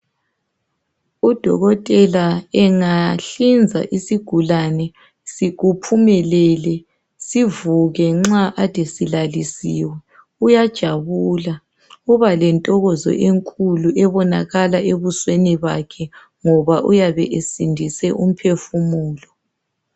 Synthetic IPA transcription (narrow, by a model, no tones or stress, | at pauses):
ud̥ʱɔ̰ɣɔtʼɛlaɛŋaɬind͡zʱa̰ʔisiɡ̥ʱulanɛ | siɣupʰumɛlɛlɛ | sivuɣɛŋ͡ǁaʔatʰʼɛsilalisiːwɛ | ujad̥ʒ̥ʱaβula | uβalɛntʼɔɣɔzɔ̰ʔeŋkʼuluʔɛβɔna̰ɣalaʔeβusweniβa̰kʰɛ | ŋɔβaʔujaβɛ̰ʔesindʱisɛʔum̩pʰefumuːlɔ